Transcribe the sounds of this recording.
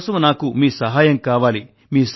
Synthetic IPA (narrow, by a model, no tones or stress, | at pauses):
sɐmunaːkumiːsɐɦaːjɐmkaːʋaːli | miːs